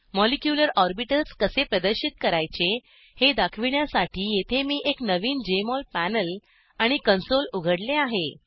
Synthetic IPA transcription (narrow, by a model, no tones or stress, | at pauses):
mɔlikjuləɾɔɾbiʈəlskəsepɾəd̪əɾɕit̪̚kəɾajt͡ɕe | hed̪akʰʋiɳjasaʈʰiːjet̪ʰemiːʔeknəʋiːnd͡ʑemɔlpænəl | aɽ̃ikənsoluɡʱəɽleaɦe